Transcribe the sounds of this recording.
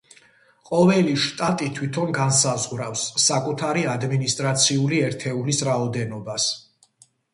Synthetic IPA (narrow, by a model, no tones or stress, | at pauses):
qʼɔvɛliʃt̪ʼat̪ʼit̪ʰwit̪ʰɔnɡansazʁɾafsːakʼut̪ʰaɾiad̪minist̪ʼɾat̪sʰiuliɛɾt̪ʰɛulisɾaɔd̪ɛnɔbas